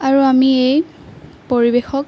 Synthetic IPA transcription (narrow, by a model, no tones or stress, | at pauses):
aɹuamiej | poɹibexɔk